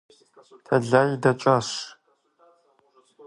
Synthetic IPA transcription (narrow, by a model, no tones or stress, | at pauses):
tʰɐɮajidɐt͡ʃʷʼaɕ